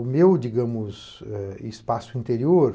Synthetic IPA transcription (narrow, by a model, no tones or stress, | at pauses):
ʊmewd͡ʒiɡɐ̃mʊz | ɛispasʊĩnt̪eɾioɾ